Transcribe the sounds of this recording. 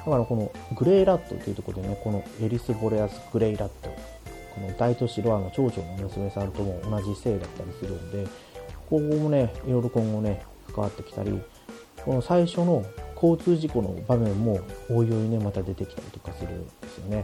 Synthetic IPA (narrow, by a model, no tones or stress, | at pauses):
nakaɾako̞no̞ | ɡɯ̟ɾe̞ːɾat̪ːo̞̰t̪ːeiɯ̟t̪o̞koɾod̪ene̞ko̞no̞e̞ɾʲisɨbo̞ɾeasɨ̥ɡ̥ɯ̟ɾe̞iɾat̪ːo̞ | ko̞no̞d̪ait̪o̞ɕiɾo̞ano̞t͡ɕo̞ːt͡ɕo̞̰ːno̞mɯ̟sɨme̞sãnt̪o̞mo̞ːnaʑise̞ːd̪at̪ːaɾʲisɨɾɯ̟nod̪e̞ | ko̞ːɡoːmo̞ne̞iɾo̞ɾokõ̞ŋɡo̞ne̞kḁkaβa̰t̪ːe̞̥kʲi̥t̪a̰ɾʲḭ | ko̞no̞saiɕo̞no̞kʰo̞ːt͡sɨːʑiko̞no̞̰bamẽ̞mːo̞oːjo̞ɲine̞mat̪ad̪e̞t̪e̞kʲt̪aɾʲit̪o̞̥kasɨɾɯ̟̰nd̪̥e̞sɨjo̞ne̞